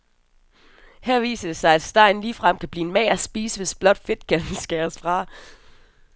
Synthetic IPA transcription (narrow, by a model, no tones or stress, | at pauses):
hæɐ̰ʋḭːsɐd̥e̝sɑ̈ɪæd̥sd̥ɑ̈ɪ̰n̩liːfʁɑm̰kʰæb̥liːenmɛ̰ɪæsb̥iːsəʋe̝sb̥lɒ̽d̥fe̝d̥kʰænsɡ̥æɐsfʁɑ̈